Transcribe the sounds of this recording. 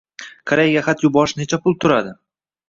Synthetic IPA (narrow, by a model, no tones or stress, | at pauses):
kʰaɾejaɡʲaχat̪jʊbɒʃnet͡ʃʰapʰʊlˠt̪ʰʊɾad̪ɪ